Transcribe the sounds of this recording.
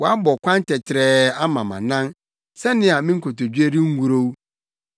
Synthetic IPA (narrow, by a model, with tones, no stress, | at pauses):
wɔ˨a˦bɔ˨kʷʰã˦n˦tʰɛ˨tʰɪ˨ɾɛ˦˨a˦mã˨mã̰˨nã˦n | sɛ˦nɪ̃˦a˨mɪ̃˦ŋ̩˦kʰo˨to˨d͡ʑᶣi˦e˦ɾi˦ŋ̩˦ɡu˨ɾo˦wu˦